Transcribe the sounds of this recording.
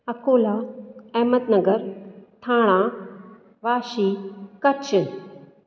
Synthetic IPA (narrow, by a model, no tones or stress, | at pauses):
ɐkoːlaːɛːmət̪nɐɡəɾt̪ʰãːɽ̃aː | ʋaːʃiːkɐt͡ɕɨ